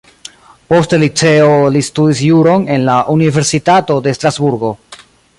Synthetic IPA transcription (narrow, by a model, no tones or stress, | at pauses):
po̞stelit͡se̞olistudis̬juɾo̞ne̞nlaʔunive̞ɾsitato̞de̞stɾazbuɾɡo̞